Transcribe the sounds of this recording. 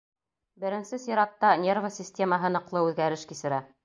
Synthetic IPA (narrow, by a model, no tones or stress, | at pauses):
bɘ̆ɾɘ̆nsɘsiɾɑt̪ːɑnʲervəsʲisʲtʲeməɦɤnɤ̆qlˠɤʉðɡæɾɘʃkisɘ̆ɾæ